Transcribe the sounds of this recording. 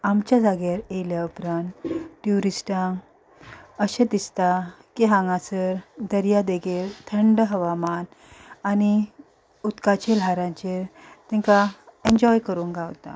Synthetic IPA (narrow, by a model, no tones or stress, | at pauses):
amt͡ɕjad͡zaɡeɾejljaupɾãnt̪ʈjuɾisʈãŋ | əɕẽt̪ist̪akiɦãŋɡãsəɾd̪əɾjad̪eɡeɾt̪ʰəɳɖɦəʋaman | ani | ut̪kat͡ɕelaɾãɲt͡ɕeɾt̪ɛ̃ŋkaeɲd͡ʑɔjkəɾũːnɡawt̪a̰